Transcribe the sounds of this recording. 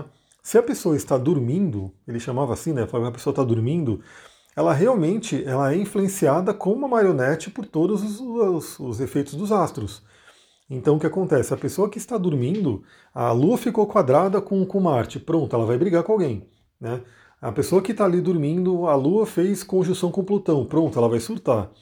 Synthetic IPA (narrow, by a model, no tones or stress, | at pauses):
sɪɐpesoɐɪst̪ad̪uɾmĩnd̪ʊelɪʃamavɐasĩnɛfalokɐpe̥soɐt̪ad̪uɾmĩnd̪ʊ | ɛlɐɦeawmẽnt͡ʃɪʔɛlɐɛĩfluẽsiad̪ɐkõũmɐmaɾionɛt͡ʃɪpʊɾt̪od̪ʊzzɐsʊzefejt̪ʊzd̪ʊzast̪ɾʊs | ẽnt̪ɐ̃w̃ʊkʲɪakõnt̪ɛsɪɐpesoɐkɪst̪ad̪uɾmĩnd̪ʊ | ɐluɐfikokwad̪ɾad̪ɐkõkõmaɾt͡ʃɪpɾõnt̪ʊɛlɐvajbɾiɡaɾkõawɡẽj̃ | nɛ | ɐpesoɐkɪt̪alid̪uɾmĩnd̪ʊɐluɐfejskõʒusɐ̃w̃kõʊplut̪ɐ̃w̃pɾõnt̪ʊɛlɐvajsuɾt̪aɾ